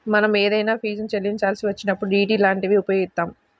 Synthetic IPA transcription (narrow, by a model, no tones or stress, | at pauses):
mɐnɐmɛːd̪ɐjnaːpʰiːd͡ʒɐnt͡ʃelːiɲt͡ʃaːlsiʋɐt͡ʃːinɐpːuɽuiːʈiːlaːɳʈiʋiupɐjoɡit̪ːaːm